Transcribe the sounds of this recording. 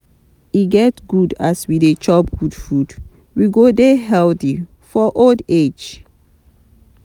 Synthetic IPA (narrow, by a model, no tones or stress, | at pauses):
iɡɛtɡudaswidet͡ʃɔpɡ̥udfud | wiɡodeɦɛlti | fɔʔolded͡ʒ